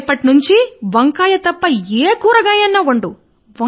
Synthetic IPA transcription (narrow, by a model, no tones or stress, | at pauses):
pːɐʈinuɲt͡ʃiʋɐŋkaːjɐt̪ɐpːɐeːkuːɾɐɡɐjɐnːɐʋɐɳɖu | ʋɐ